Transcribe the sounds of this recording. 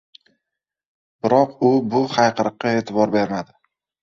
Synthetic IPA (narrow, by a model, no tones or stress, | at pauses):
bɪɾɒqʊbʊχajqɨɾɨqːɑe̞ːt̪ʰɪbɒɾbe̞ɾmad̪ɪ